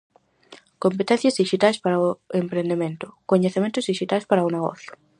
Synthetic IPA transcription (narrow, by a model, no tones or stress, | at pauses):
kompet̪ɛ̃n̟θjazðiʃit̪ajspaɾaoempɾẽnd̪emẽnt̪ʊ̥koɲeθemẽnt̪ʊzðiʃit̪ajspaɾaoneɣɔ̰θjʊ̥